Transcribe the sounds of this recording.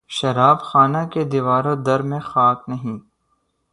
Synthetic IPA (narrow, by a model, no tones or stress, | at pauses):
ʃɐɾaːbxaːnaked̪iʋaːɾõd̪ɐɾmẽxaːknɐɦĩː